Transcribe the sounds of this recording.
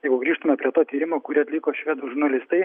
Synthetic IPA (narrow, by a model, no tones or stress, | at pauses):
jɛɪɡʊɡɾʲiːʃt̪ʊmʲɛpʲɾʲiɛt̪oːt̪ʲiːɾʲɪmoːkʊɾʲiːɐt̪ʲlʲɪkoːʃʲʋʲiɛd̪uʒʊɾnɐlʲɪst̪ɐɪ